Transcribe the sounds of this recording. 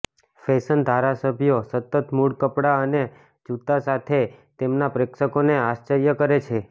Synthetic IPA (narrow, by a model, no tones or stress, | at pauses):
fesənd̪ʱaɾasəbʱjosət̪ːət̪muɽkəpɽaəne | d͡ʒut̪asat̪ʰet̪emnapɾekʃəkoneaʃt͡ʃəɾjəkəɾet͡ʃʰe